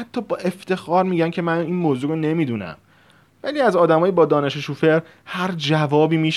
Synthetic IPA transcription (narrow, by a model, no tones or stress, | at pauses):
hæt̪ʰːɒːbɒːʔe̞ft̪e̞xɒːɾmiːɟæncʰe̞mæniːnmoːzuːɾone̞miːd̪unæ̰m | væliːæzɒːd̪æmɒːjibɒːd̪ɒːneʃeʃuːfeɾ | hæɾd͡ʒævɒːbiːmiːʃ